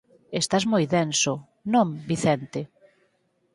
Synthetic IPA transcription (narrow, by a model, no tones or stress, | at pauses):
est̪azmojðɛnso | nõŋbiθɛnt̪e